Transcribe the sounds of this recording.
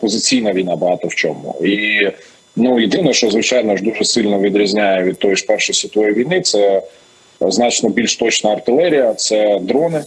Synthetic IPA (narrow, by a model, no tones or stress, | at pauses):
pɔzɪt͡sʲijnɐʋʲijnɑbɐɦɑt̪ɔwt͡ʃɔmʊ̰i | nujɪd̪ɪnɔʃt͡ʃɔzʋɪt͡ʃajnɔʒd̪uʒɛsɪlʲnɔʋʲid̪ɾʲizʲnʲajɛʋʲid̪̚t̪ɔjʒpɛrʃɔsʲit̪ɔjiʋʲijnɪt̪sɛ | znɑt͡ʃnɔbʲilʲʃt̪ɔt͡ʃnɐːrt̪ɪlˠɛɾʲijɐt̪sɛd̪ɾɔnɪ